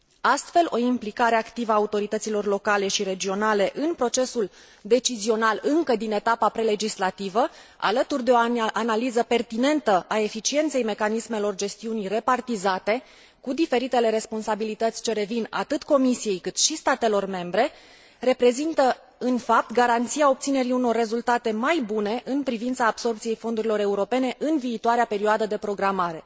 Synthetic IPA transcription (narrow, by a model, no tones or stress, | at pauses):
ast̪fe̞lʔo̞implikaɾeakt̪ivəaːut̪o̞ɾit̪ət̪silo̞rlo̞kale̞ʃiɾe̞d͡ʒio̞nale̞ʔɨnpɾo̞t͡ʃe̞sul | d̪e̞t͡ʃizio̞nalɨŋkəd̪ine̞t̪apapɾe̞le̞d͡ʒislat̪ivəa̰lət̪urd̪e̞oanalizəpe̞rt̪ine̞nt̪əʔae̞fit͡ʃient̪se̞jme̞kanismelo̞rd͡ʒe̞st̪iunijre̞part̪izat̪e̞ | kud̪ife̞ɾit̪e̞le̞ɾe̞spo̞nsabilit̪ət̪sʲt͡ʃe̞ɾe̞vina̰t̪ɨt̪ko̞misije̞jkɨt̪ʃist̪at̪e̞lo̞rme̞mbɾe̞ | re̞pɾe̞zint̪ə | ɨnfap̚t̪ɡaɾant̪siao̞p̚t̪sine̞ɾiuno̞rːe̞zult̪at̪e̞majbune̞ʔɨnpɾivint̪saːbso̞rp̚t̪sije̞jfo̞nd̪uɾilo̞ɾe̞uɾo̞pe̞ne̞ʔɨnviːt̪oaɾeape̞ɾioad̪əd̪e̞pɾo̞ɡɾamaɾe̞